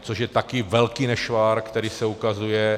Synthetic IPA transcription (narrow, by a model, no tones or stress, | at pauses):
t͡soʃjɛt̪akɪvɛlkinɛʃvaːɾkt̪ɛɾiːsɛukazujɛ